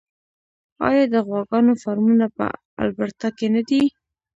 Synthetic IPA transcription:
ɑ̰jɑd̪əɣwɑɡɑnofaɾmunapə̰ | a̰lbaɽt̪ɑkenad̪i

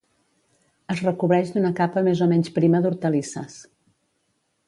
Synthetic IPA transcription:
əzrəkuβɾɛʒd̪unəkapəmezomɛɲspɾiməðuɾt̪əlisə̰s

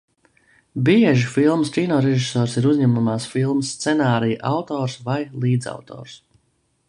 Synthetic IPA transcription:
biɛʒifilˠmscʲinɔːɾɛʒisɔːɾsiɾuzɲɛmumaːsfilˠmsːt̪sɛnaːɾijʔawt̪ɔːɾsvajlˠiːd̪za̰wt̪ʰɔ̰ːɾs

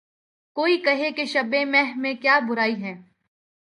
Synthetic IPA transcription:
koːikɐɦekeʃɐbẽmɛɦmẽkjaːbʊɾaːiɦɛ̃ː

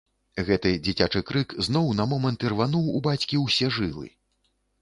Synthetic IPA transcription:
ɣɛt̪ɨd͡zʲit͡sʲat͡ʂɨkɾɨkznɔwnɐmɔmɐnt̪irvanuwubat͡sʲkʲiwsʲɛʐɨlˠɨ̰

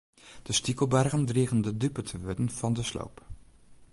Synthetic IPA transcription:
d̥əstikəlˠbɛrɣəndriːɣəndədypətʰəʋøtənv̥ɑndəslo̰wp

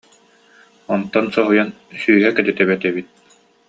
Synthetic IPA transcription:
ɔnt̪ːɔnsɔɦujan | syːɦɛkɛt̪ɛt̪ɛβɛt̪ɛβit̪̚

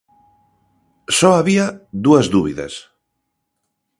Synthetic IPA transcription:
sɔaβiaðuɐzðuβiðɐ̰s

